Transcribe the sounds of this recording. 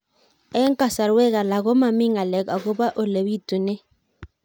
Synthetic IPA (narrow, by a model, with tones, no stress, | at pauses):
ɛ˦ŋ˦ka˦˨sa˨ɾwɛ˦ɣa˨la˨ɣɔ˦ma˨mi˦ŋa˨lɛ˨ka˨ɣo˦ba˦ʔo˨le˨wi˦tu˨nɛ˦